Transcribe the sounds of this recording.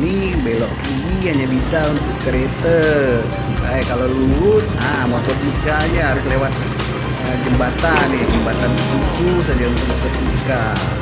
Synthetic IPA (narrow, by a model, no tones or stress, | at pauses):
nibelɔʔki | iɦaɲabisaunt̪ʊkːəɾet̪ə | ajkaloluɾʊs | a | mot̪ɔsənikajaɦaɾʊslewat̪̚ | əd͡ʒəmbat̪anjɛd͡ʒəmbat̪anətut͡ʃusad͡ʒaunt̪ʊk̚mɔt̪ɔsənika